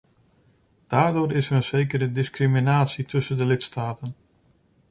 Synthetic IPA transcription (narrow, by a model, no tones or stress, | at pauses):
d̥aːɹdʊːɾɪsərənz̥ejkəɾədɪskriminaːtsitʰɵsəndəlɪtstaːtən